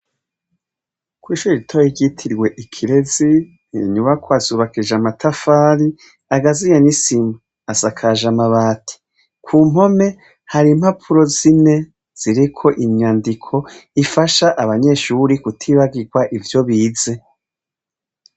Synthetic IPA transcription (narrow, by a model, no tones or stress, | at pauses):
kwiːʃuɾiɾitʰoiɟitʰiɾɡwe̞ʔikʰiɾe̞zi | nḭɲumakwaːzuβakiʒamatʰafaːɾi | aɡazijanisimu | asakʰaʒamaβaːtʰi̥ | kʰuːmo̞me̞ | haɾim̥hapʰuɾo̞zine̞ | z̥iɾikʰo̞ʔiɲaːndikʰo̞ifaʃaʔaβaɲe̞ʃuɾikutʰiβaɡiɡwaʔivjo̞βiːze̞